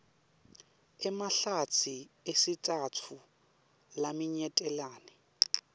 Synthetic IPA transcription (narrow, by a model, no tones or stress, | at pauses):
ɪmaɬat͡sʰiesɪtʼatʰʊ | lamɪɲɛtʼɛlaːnɛ